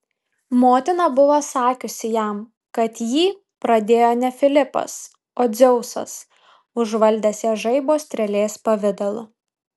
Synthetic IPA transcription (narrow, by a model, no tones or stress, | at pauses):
moːt̪ʲɪnɐbʊʋosɑːkʲʊsʲɪjæm | kɐt̪jiː | pɾɐd̪ʲeːjoːnʲɛfʲɪlʲɪpɐ̰s | oːd̪zʲɛʊsɐ̰s | ʊʒʋɐlʲd̪ʲɛːsjɛːʒɐɪboːsʲt̪ʲɾʲɛlʲeːspɐʋʲɪd̪ɐlˠʊ